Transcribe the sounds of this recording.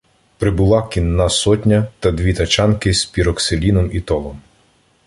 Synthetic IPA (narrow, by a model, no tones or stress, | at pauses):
pɾɪbʊlˠɑkʲinːɑsɔtʲnʲɐt̪ɐd̪ʲʋʲit̪ɐt͡ʃɑnkɪspʲiɾɔkselʲinɔmit̪ɔlˠɔm